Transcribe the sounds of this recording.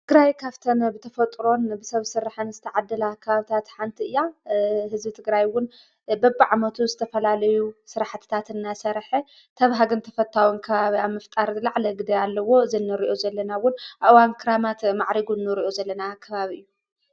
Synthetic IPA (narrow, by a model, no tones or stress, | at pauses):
tt̪ʰɨɡɾajkʰaβt̪ʰɐnbɨt̪ʰɐfɐt̪ʼɾo̞nbɨsɐβsɨɾːaħɨnzɨt̪ʰɐʕad̪ːlakʰɐβaβɨt̪ʰat̪ħant̪ʰiɨjːahɨzbit̪ʰɨɡɾajwʊn | bɐbːiʕamɐt̪ʰuzɨt̪ʰɐfɐlalɐjusɨɾaħt̪ʰɨ̥t̪ʰat̪ɨnːasɐɾħe | t̪ʰɐβɦaɡɨnt̪ʰɐfɐt̪ʰːawunkʰɐβaβiaβmɐft̪ʼaɾlaʕlɐɡɨd̪ɐjalːɐwo̞ɨzinːɨɾiʔo̞zɐlːɐnawʊnʔaʔwankʰɨɾamat̪maʕɾiɡunːɨɾiʔo̞zɐlːɐnakʰɐβaβiʔɨjːu